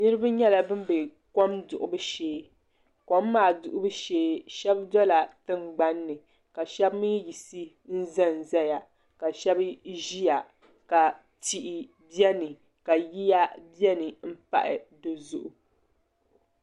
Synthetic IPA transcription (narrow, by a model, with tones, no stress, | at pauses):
nɨ˦ɾɨ˦ba˦ɲɛ˦la˨bɨ˦m˦bɨ˨ | ko˦mdʊ˨ʔʊ˨bɨ˦ʃeː˦ | ko˦mː˦aː˨dʊ˨ʔʊ˦bɨ˦ʃeː˦ʃɛ˦bdɔ˦la˨tɨ˦mɡ͡ba˦nːɨ˨ | ka˨ʃɛ˦bmɨ˦ji˨si˦ | n̩˦za˦˨n˨za˦ja˨ | ka˨ʃɛ˦bʒi˦ja˨ | ka˨ | ti˨ʔi˨ | bi˦ɛ˦nɨ˨ | ka˨ji˦ja˦bjɛ˦nɨ˨m̩˦pa̰˨ʔɪ̰˨dɨ˨zʊ˨ʔʊ˨